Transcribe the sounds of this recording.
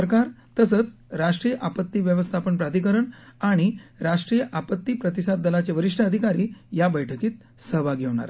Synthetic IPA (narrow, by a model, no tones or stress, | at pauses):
əɾkaɾt̪əsəːt͡sɾaʂʈɾiːjəʔapət̪ːiːʋjəʋəst̪ʰapəɳpɾad̪ikəɾəɳaɽ̃iɾaʂʈɾijəʔapət̪ːiːpɾət̪isad̪̚d̪əlat͡ɕeʋəɾiʂʈʰəəd̪ʱikaɾiːjabəjʈʰəkiːt̪̚ | səɦʋaɡʱeʋɳ̃a̰ɾ